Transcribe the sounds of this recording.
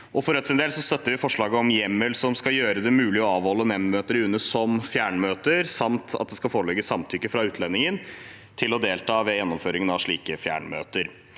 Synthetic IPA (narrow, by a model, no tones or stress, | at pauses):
ʔɔfɔɾɛt̪sɪnd̪eːlsɔst̪œt̪ːəɾʋɪfɔʂɭɑːɡəɔmjɛmːəlsɔmskɑjøːɾəd̪ɛmʉːlɪɔɑːʋhɔlːənɛmmøːt̪əɾʉnːəsɔmfjæːɳmøːt̪əɾsɑmt̪ʰɑ̰t̪̚d̪ɛskɑfoːɾlɛɡəsɑmt̪ʰʏkːəfɾɑʉːt̪ʰlɛnːɪŋən | t̪ʰɪlɔd̪eːlt̪ʰɑːʋɛjɛnːɔmføːɾɪŋənɑʋʂɭiːkəfjæ̰ːɳmø̰ːt̪əɾ